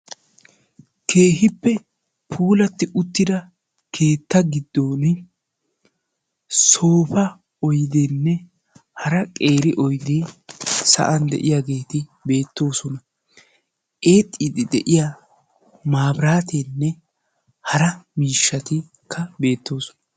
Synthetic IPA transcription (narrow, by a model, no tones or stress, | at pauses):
ke̞ːɦɪpːɛ | pʰuːlɐt̪ːɪʔʊt̪ːɪd̪ɐ | kʰe̞ːt̪ːɐɡɪd̪ːo̞ːn | so̞ːfɐ | ɔjd̪enːɛ | hɐɾɐkʼe̞ːɾɪʔɔjd̪eːsɐ̰ʔɐnd̪ɛ̰ʔɪjaːɡe̞ːt̪ɪbe̞ːt̪ːo̞ːsɔnɐ | ʔeːt̪ʼːid̪ɪd̪ɛ̰ʔɪja | maːbɾaːt̪eːnːɛ | hɐɾɐmiːʃːɐt̪ɪ | kʰːɐbe̞ːt̪ːo̞ːsɔ̥nɐ